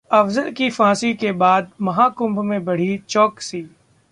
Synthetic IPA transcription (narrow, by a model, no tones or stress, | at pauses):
ɐfzəlkifãːsikebaːd̪̚mɐɦaːkʊ̃mbmẽbɐɽ̤it͡ʃɔːksiː